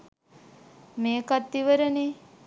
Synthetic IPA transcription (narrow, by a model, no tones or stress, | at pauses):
meːkat̪d̪iʋəɾəne